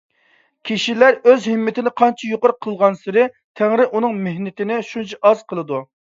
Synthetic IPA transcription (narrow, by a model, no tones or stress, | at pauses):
kʲʰiʃilæɾøzhɪmːɪt̪ʰɪnɪqʰɑnt͡ʃʰijoqʊɾqʰəlˠʁɑnsɪɾɪ | t̪ʰæŋɾɪʔunɨŋmehnɪt̪ɪnɪʃunt͡ʃʰɑɑz̥qʰəlˠɨd̪u